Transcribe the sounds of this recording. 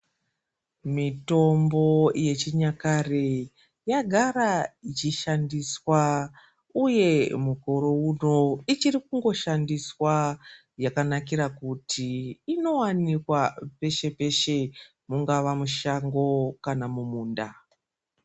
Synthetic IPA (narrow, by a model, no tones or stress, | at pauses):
mito̞mbo̞je̞t͡ʃiɲakare | jaɡʱaɾat͡ʃiʃandiswa | uje̞muko̞ɾo̞uno̞it͡ʃiɾikuŋɡo̞ʃandiswa | jakanakiɾakutʰiːno̞wanikwape̞ʃe̞pe̞ʃe̞ | muŋɡaʋamuʃaŋɡo̞kanamumuːnda